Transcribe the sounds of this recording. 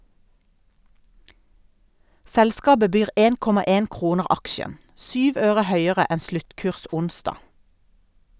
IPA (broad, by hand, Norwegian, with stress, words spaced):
ˈsɛlˌskɑːbə ˈbyːʁ ˈeːn ˈkɔmɑ ˈeːn ˈkʁuːnəʁ ˈɑkʃən ˈsyːʋ ˈøːʁə ˈhœʏəʁə ˈɛn ˈslʉtˌkʉːʁs ˈʊnˌsdɑ